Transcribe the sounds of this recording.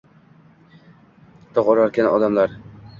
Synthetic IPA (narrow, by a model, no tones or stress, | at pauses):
t̪ʰɒqoɾaɾkʲanɒd̪amlaɾ